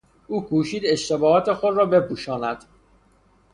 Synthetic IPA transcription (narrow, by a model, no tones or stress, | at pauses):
ʔuːkʰuːʃiːd̪e̞ʃt̪e̞bɒːt̪ʰexo̞d̪rɒːbe̞pʰuːʃɒːnæd̪̥